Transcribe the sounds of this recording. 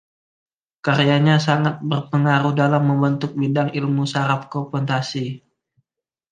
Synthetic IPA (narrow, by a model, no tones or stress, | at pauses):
kaɾijaɲasaŋat̪̚bərpəŋaɾuhdalamːəmbənt̪ʊk̚bidaŋilmusaɾafkopɔnt̪asi